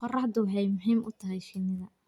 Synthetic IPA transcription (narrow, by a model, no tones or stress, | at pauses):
qɔrɑħd̪ʊħɛjmʊɦiːmʔʊ̰t̪ʰɐɦɛjʃɪnɪðɐ